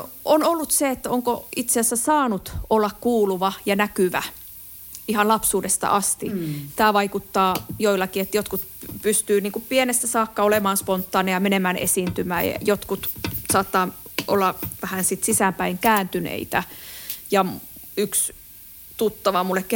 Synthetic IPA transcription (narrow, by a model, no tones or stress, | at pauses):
ʔonolːut̪seet̪ːæoŋkoit̪seæsːæsɑːnut̪ʔolːɑkkuːluʋɑjɑnækyʋæ | ihɑnlɑpsuːdest̪ɑ̰ʔɑst̪it̪æːʋɑikut̪ːɑːjoilːˑɑkiet̪jot̪kut̪pyst̪yːniːŋkuppienest̪æsɑːkːɑolemɑːnspont̪ːɑːnejɑmenemæːnḛsint̪ymæ̰ːjɑ̰jot̪kut̪sɑːt̪ːɑːʔo̰lːɑʋæhænsit̪sisæmpæiŋkæːnt̪ynḛit̪æjɑyks | t̪ut̪ːɑʋɑmulːekke